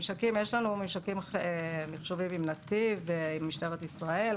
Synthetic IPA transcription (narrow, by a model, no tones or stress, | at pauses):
mʃakimjeʃlanumimʃakimemiχʃovimimnat̪iveimːiʃteʁet̪isʁae̞l